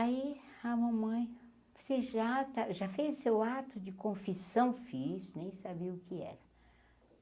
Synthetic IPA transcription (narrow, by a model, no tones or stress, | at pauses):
aiamɐ̃mɐ̃j̃ | oseʒat̪aʒafejzsewat̪ʊd͡ʒɪkõfisɐ̃w̃fisnẽj̃sabiɐʊkɪɛ̰ɾɐ